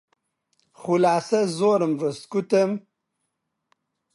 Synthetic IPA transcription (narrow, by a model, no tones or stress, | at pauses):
χulaːsɐzoːɾəmɾəst̪kut̪əm